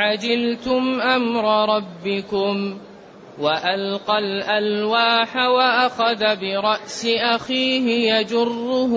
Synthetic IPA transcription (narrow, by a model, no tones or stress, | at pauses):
ʕad͡ʒɪlt̪ʊmʔamɾˤɑɾˤɑbːɪkʊm | waʔalqalʔalwaːħawaʔaxaðabɪɾˤɑʔsɪʔaxiːɦɪjad͡ʒʊrːʊh